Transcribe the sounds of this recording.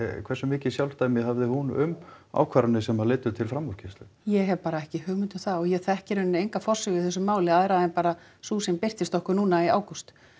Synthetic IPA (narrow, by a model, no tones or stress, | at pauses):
kʰvɛrsʏmɪːcɪsjawlt̪aːjmɪðhavðɪhunʏ̰ma̰ːwkʰvaɾʏnɪsɛmaðlɪːt̪ʏt̪ʰɪlfɾamːɔɾ̥cʰɪst̪ʏjɛɣɦɛvpaːɾaɛhcɪhœːɣmɪnt̪ʏmθaɔɣjɛɣθɛhcɪɾʏnʏejŋkafɔr̥sʏɣɪθɛsʏmːaːwlɪaðɛɾaðɛnpaːɾa | suːsɪmper̥t̪ɪst̪ɔhkʏnuːnaia̰ːwkust̪